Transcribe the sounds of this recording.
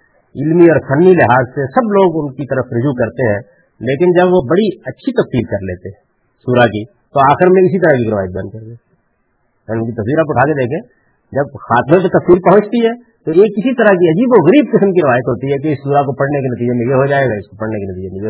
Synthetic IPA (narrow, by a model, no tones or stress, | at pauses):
ɪlmiɔːɾsɐnːilɪɦaːzsesɐbloːɡʊnkit̪ɐɾəfɾʊd͡ʒukɐɾt̪eɦɛ̃ | leːkɪnd͡ʒɐbʋobɐɽiɐtːʃʰit̪ɐfsiːlkɐɾleːt̪eɦɛ̃ | suːɾaki | t̪oaːxɪɾmẽɪsit̪ɐɾakikɾɪʋaːjət̪̚bjaːnkɐɾd̪eː | ʊnkit̪ɐsʋiːɾapʊʈʰaːked̪eːkʰẽː | d͡ʒɐbxaːt̪mãpet̪ɐfsiːɾpɐɦʊ̃t͡ʃt̪iɦɛː | t̪oeːkɪsit̪ɐɾakiɐd͡ʒiːboɣɐɾiːb̚kɪsəmkiɾɪʋaːjət̪ɦoːt̪iɦɛk̬eɪsːuːɾakopɐɽnekenɐt̪̬iːd͡ʒemɪɡeɦod͡ʒaːeːɡaɪskopɐɽnekenɐt̪iːd͡ʒemɪɡe